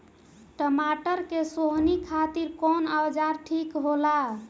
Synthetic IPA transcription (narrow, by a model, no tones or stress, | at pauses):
ʈəmaʈəɾkesoɦnikʰat̪iɾkɔnawd͡ʒaɾʈʰikɦola